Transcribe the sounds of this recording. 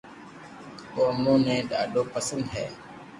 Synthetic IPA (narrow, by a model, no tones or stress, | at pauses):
koːmõːnɛ̃ːɗa̰ːɖoːpəsə̃nd̪ɦɛ̰ː